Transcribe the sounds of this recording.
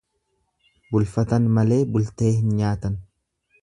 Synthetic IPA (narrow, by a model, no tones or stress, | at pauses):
bʊlfɐt̪ɐnmɐle̞ːbʊlt̪e̞ːhɪnɲaːt̪ɐn